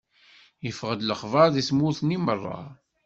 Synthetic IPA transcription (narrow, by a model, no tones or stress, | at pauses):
jəfʁəd̪ləχvɑðismuθnimərˤːɑ̰